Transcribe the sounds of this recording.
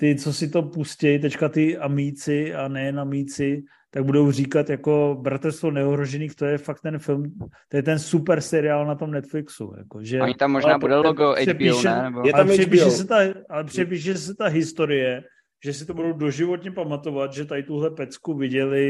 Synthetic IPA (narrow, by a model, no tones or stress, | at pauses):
t̪ɪt͡so̞sɪt̪o̞puscɛjt̪ɛckat̪ɪamijt͡sɪanɛjɛnamiːt͡sɪ | t̪aɡ̚budo̞wriːkat̪jako̞bɾat̪ɛlst̪vonɛoɦɾoʒɛniːxt̪o̞jɛfak̚t̪ːɛnfɪlmt̪ojɛt̪ɛnsupɛɾsɛɾɪaːlnat̪o̞mnɛt̪flɪksṵja̰koʒɛaɲit̪amːoʒnaːbudɛoɡoɛpiʃɛɛaɛpiʃɛsɛt̪aalɛpr̝̥ɛp̬iːʃ̬ɛsɛt̪aɦɪst̪o̞ɾɪjɛ | ʒ̥ɛsɪt̪obudowdo̞ʒɪvo̞t̪ɲɛpamat̪o̞vat̪ʒɛt̪adɪt̪uɦlɛpɛt͡skuvɪɟɛlɪ